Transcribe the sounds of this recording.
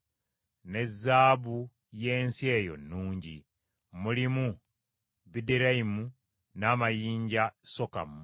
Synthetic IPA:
ne̞zːaːβu | je̞ːnsie̞ːjo̞̰nːuːɲɟḭ | mulimu | bideɾaimu | namajiːɲɟasoka̰m

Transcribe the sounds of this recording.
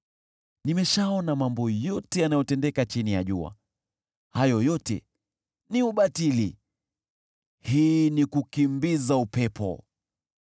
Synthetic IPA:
nimɛʃaɔnamambɔjɔtɛjanajɔtɛndɛkat͡ʃinija̰ʄṵa̰ | hajɔjɔtɛ̰ | niuɓatili | hiːnikukimbizaupɛpɔ̰

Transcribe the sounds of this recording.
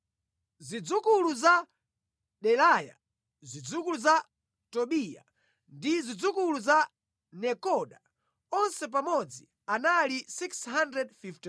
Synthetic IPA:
zid͡zukuluza | ɗɛlaja̰ | zid͡zukuluza | tɔɓija̰ | ndizid͡zukuluza | nɛkɔɗa | ɔnsɛp̬amɔd͡zi | analisikshandɾɛdfifti

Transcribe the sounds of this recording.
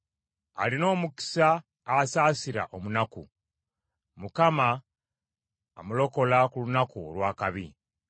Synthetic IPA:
a̰lino̞ːmuki̥saː | saːsiɾa̰ʔo̞munaku | mukama | mulo̞ko̞lakulunakuo̰lwaːkaβi

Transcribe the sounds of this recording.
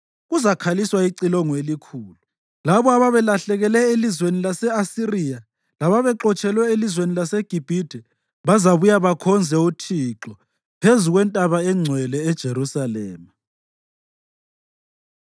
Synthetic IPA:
ɣuzakʰaliswaiǀilɔŋɔelikʰuːlu | laβɔaβaβɛlaɬɛɣɛlɛelizwenilasɛasirija | laβaβɛǁɔt͡ʃʼɛlwɛelizwenilaseɡ̥ʱib̥ʱid̥ʱɛ | βazaβujaβakʰɔnd͡zʱɛutʰiǁɔ | pʰezuɣwɛntʼaβaɛŋ͡ǀʱwɛlɛːd̥ʒ̥ʱerusalɛːma

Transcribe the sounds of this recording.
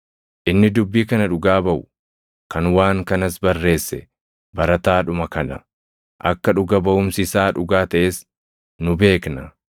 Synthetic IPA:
ʔɪnːɪd̪ʊbːiːkɐnɐᶑʊɡaːbɐʔʊ | kɐnwaːŋkɐnɐsbɐrːe̞ːsːɛ | bɐɾɐt̪aːᶑʊmɐkɐnɐ̰ | ʔɐkːɐᶑʊɡɐbɐʔʊmsɪsaːᶑʊɡaːt̪ɐʔeːs | nʊbe̞ːknɐ

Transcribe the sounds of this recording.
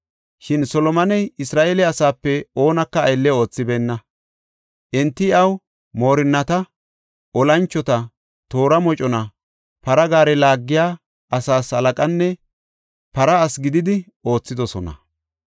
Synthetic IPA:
ʃɪnsɔlɔmɐnɛjɪsɾaːʔelɛɐsaːpːɛo̞ːnɐkːɐːjlːɛo̞ːt͡sːɪbeːnːɐ | ʔɛnt̪ːɪɐw | mo̞ːɾɪnːɐt̪ɐ | ɔlɐnt͡ʃːɔt̪ɐ | t̪o̞ːɾɐmɔt͡ʃʼɔnɐ | pɐɾɐɡaːɾɛlaːɡːɪjaː | ɐsaːshɐlɐkʼɐnːɛ | pɐɾɐːsɡɪd̪ɪd̪ɪ | o̞ːt͡sːɪd̪ɔsɔnɐ̰

